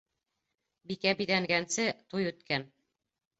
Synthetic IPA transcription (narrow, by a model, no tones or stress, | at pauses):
bikæbiðæŋɡænsɘt̪ujʉt̪kæn